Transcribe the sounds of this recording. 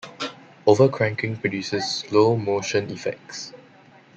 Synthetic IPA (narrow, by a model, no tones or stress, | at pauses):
ovəkʰɹãŋkɪ̃ŋpɹɔdjusəsːlomoʃə̃nifɛ̰k̚s